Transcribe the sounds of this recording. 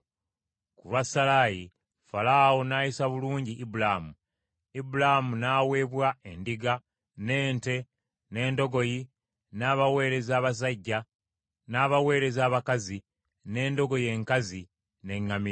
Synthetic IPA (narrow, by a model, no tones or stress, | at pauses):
kuβasalaji | falawonaːjisaβuluːɲɟiʔːbulamu | ibulamunaːwe̞ːβwae̞ndiɡa | ne̞ːnte̞ | ne̞ːndo̞ɡo̞ji | naːβawe̞ːɾe̞zaːβas̬aɟːa | naːβawe̞ːɾe̞zaːβakazi | ne̞ːndo̞ɡo̞je̞ːŋkazi | ne̞ŋːami